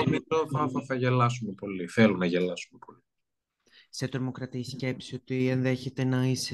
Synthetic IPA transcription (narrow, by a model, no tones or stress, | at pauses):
mit̪ofɐθɐθɐʝe̞lɐsumepo̞liθelunɐʝe̞lɐsumepo̞li̥ | se̞t̪ɾomo̞kɾɐt̪isce̞psio̞t̪ienðe̞çe̞t̪e̞nɐis